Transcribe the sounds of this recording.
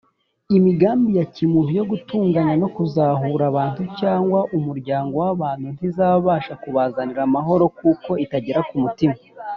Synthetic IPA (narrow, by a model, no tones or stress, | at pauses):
imiɡaːmbijacimuvijo̞ɡutuːŋɡanano̞kuzaːɦuɾaβaːntucaːŋɡwaʔumuɾɟaːŋɡo̞waβaːn̥hun̥izaβaβaːʃakuβaːzaniɾamaɦo̞ɾo̞kuːko̞itaɟeɾakumutima